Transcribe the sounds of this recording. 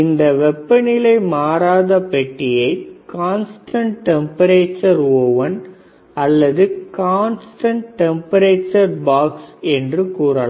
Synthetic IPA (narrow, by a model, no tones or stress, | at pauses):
ɪnd̪ɐʋɛpːɐnɪlɐɪmaːɾaːðɐpɛʈːɪjɐɪkaːnsʈʰɐɳʈʈɛmpɐɾeːt͡ʃːɐɾoːʋɐn | ɐlːɐðɯkaːnsʈɐɳʈʈɛmpɐɾeːt͡ʃːɐɾbaːksɛndrɯkuːrɐla